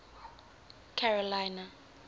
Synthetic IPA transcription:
kʰɛrɔlajna

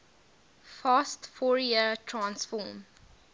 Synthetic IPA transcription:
faːstfɔːɹjiətʰɹãnsfɔːm

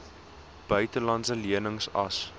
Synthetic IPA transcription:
b̥œɥtəlɐntsəliənəŋsɐ̰s

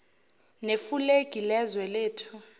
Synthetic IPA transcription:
nefuleɡ̥ʱilɛzwɛleːtʰu

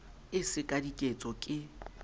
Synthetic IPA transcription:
ɪsɪkʼadikʼet͡sʼɔkʼɪ

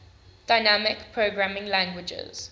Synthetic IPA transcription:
d̥aɪnamɪkpʰɹoɡɹamɪ̃ŋlãŋɡwɪd͡ʒɪ̰z̥

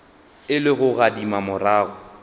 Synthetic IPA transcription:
ɪlɪɣʊɣadimamʊraːɣʊ

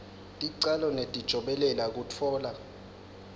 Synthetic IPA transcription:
tʼiǀalɔnetʼid̥ʒ̥ʱɔɓɛlɛlak̬ut͡fʰɔːla

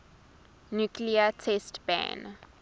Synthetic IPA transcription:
njukliətʰɛstb̥æ̰̃n

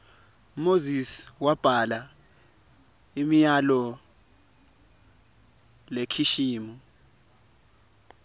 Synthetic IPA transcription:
moziswab̥ʱala | imijalɔ | lekʰiʃiːmu

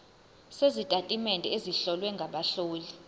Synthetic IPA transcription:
sezitʼatʼimɛndʱɛeziɬɔlwɛŋɡʱaɓaɬoːli

